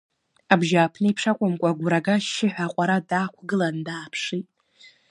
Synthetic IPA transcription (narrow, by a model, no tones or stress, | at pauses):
abʒaːpʰnɨipʰʂakʷʼamkʷʼaɡʷɾaɡaʃɪħʷᶣaqʷʼaɾadaːkʷʰɡɨlandaːpʰʂitʼ